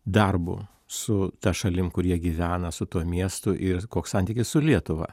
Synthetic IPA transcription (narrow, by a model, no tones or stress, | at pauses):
d̪ɐrbʊ̰ | sʊt̪ɐʃɐlʲɪmkʊɾʲiɛɡʲiʋʲæːnɐsʊt̪uɔmʲiɛst̪ʊʔɪɾkoːksɐnʲt̪ʲiːkʲɪssʊlʲiɛt̪ʊʋɐ̰